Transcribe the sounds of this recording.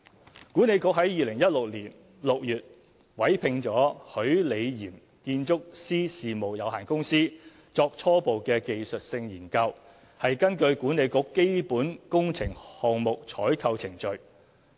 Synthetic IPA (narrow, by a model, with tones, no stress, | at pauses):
kuː˨˥ne˨˧jkʊ˧˥k̚ɦɐ˨˥jjiː˨˧lɪ˨˩ŋjɐ˥t̚lʊ˨k̚liː˨˩n | lʊ˨k̚jyː˨t̚ | wɐ˨˥jpʰɪ˧ŋt͡ʃɔː˨˥hɵ˨˥ɥle˨˧jjiː˨˩m | kiː˧nt͡ʃʊ˥k̚siː˥siː˨˩mo˨˩wjɐ˨˧whaː˨˩nkʊ˥ŋsiː˥ | t͡sɔː˧k̚t͡sʰɔː˥po˨wkɛː˧ke˨jsɵ˨t̚sɪ˧ŋjiː˨˩nkɐ˧w | hɐ˨jkɐ˥nkɵ˧ɥkuː˨˥ne˨˧jkʊ˧˥kːe˥jpuː˨˥nkʊ˥ŋt͡sʰɪ˨˩ŋhɔː˨ŋmʊ˨k̚t͡ʃʰɔː˨˥jkʰɐ˧wt͡sʰɪ˨˩ŋt͡ʃɵ˨ɥ